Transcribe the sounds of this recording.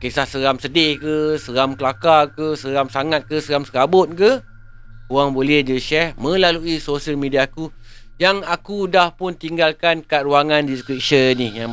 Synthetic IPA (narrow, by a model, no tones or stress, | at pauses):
kesahsəɾamsədehkəsəɾamkəlakakəsəɾamsaŋat̪̚kəsəɾamsəɾabʊt̪̚kə | kuwaŋbolɛhd͡ʒəʃɛrmə̃laluisosəlmediaku | jaŋakudahpʊnt̪iŋɡalkankaɾuaŋãndiskɾip̚ʃənija